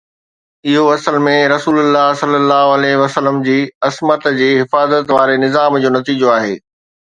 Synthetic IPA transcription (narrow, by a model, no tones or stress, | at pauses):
ɪɦoɐsəlmẽɾɐsuːlʊlːaɦsɐlːəlːaːɦoɐlɛɦʋɐsələmd͡ʑiːɐsmət̪d͡ʑiːɦɪfaːzət̪ʋaːɾenɪzaːmd͡ʑoːnɐt̪iːd͡ʑoaːɦḛː